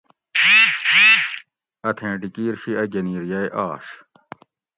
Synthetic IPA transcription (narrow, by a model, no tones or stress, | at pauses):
ɐt̪ʰẽːʈikiːɾɕiɐɡɐniːɾjɐjʔaːɕ